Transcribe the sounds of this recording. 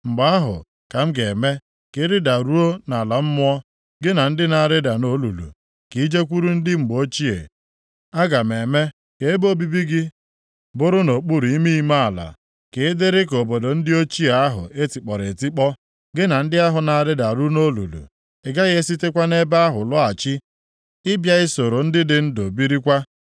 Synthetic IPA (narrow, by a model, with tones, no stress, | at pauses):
ŋ͡m̩˨ɡ͡ba˦a˦ɦʊ̰˨ | ka˨m̩˦ɡe˨me˦ | kɪ˦ɾɪ˦da˨ɾu˦o˦na˨la˨m̩˦mʊ˦ɔ˦ | ɡɪ˦na˨n̩˦dɪ˦na˨ɾɪ˦da˨no˦lṵ˨lṵ˨ | ki˨i˦d͡ʒe˦kʷu˦ɾu˦n̩˦dɪ˦ŋ͡m̩˨ɡ͡bo˦t͡ʃi˦ḛ˨ | a˦ɡa˨m˨e˨me˦ | ke˨e˦bo˦bi˦bi˦ɡɪ˦ | bʊ˦ɾʊ˦no˨k͡pu˦ɾu˨i˦mi˦i˦ma˦a˨la̰˨ | ke˨ɪ˦dɪ˦ɾɪ˦ko˨bo˨do˨n̩˦dɪ˦o˦t͡ʃi˦e˨a˦ɦʊ̰˨e˦ti˨k͡pɔ˨ɾe˨ti˦k͡pɔ˦ | ɡɪ˦na˨n̩˦dɪ˦a˦ɦʊ˨na˨a˨ɾɪ˦da˨ɾu˦no˦lṵ˨lṵ˨ | e˨ɡa˦ɣe˦si˦te˦kʷa˦ne˦ba˦ɦʊ˨lʊ˦a˨t͡ʃɪ˦ | ɪ˦bja˦ɣɪ˦so˨ɾo˨n̩˦dɪ˦dɪ˦n̩˦do˨bi˦ɾi˦kʷa˦